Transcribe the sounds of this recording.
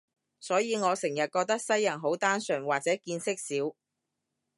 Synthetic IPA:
sɔː˨˥jiː˨˧ŋɔː˨˧sɪ˨˩ŋjɐ˨t̚kɔː˧k̚t̪ɐ˥k̚sɐ˥jːɐ˨˩nɦo˨˥wt̪aː˥nsœː˨˩ŋwaː˨k̚t͡sɛː˨˥kiː˧nsɪ˥k̚siː˨˥w

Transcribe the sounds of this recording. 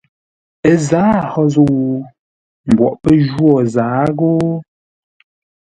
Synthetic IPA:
ə˨zaː˨˦˨hɔ˦zo˦wu˨ | m̩˨bwɔ̰˨ʔpə˦ʒwɔ˨zaː˨˦ɣo˦

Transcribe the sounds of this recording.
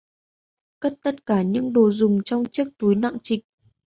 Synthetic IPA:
kə˦˥t̚t̪ə˦˥t̚kaː˧˩ɲɨ̰˧˥ŋɗo˨˩zʊ˨˩ŋ͡mt͡ɕɔ˧wŋ͡mt͡ɕɨ˦˥ək̚t̪u˨˦jna̰˧˨ŋt͡ɕï˨˩k̟̚

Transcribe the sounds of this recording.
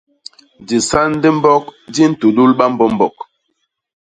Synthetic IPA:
di˨sa˦n˦de˦m̩˦bɔ˦k̚di˦n̩˦tu˨ɗu˦lɓa˦m̩˦bɔ˦m˦bɔ˨k̚

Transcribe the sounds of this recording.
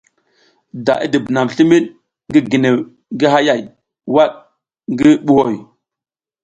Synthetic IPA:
da̰˨ʔḭ˦di˨bna˨m˨ɬi˦mi˦ɗ̚ | ŋɡi˦ɡi˨ne˨ | ŋɡi˦ɦa˦ja˨j | wa˦ɗ̚ | ŋɡi˦ɓu˦ho˦˨j

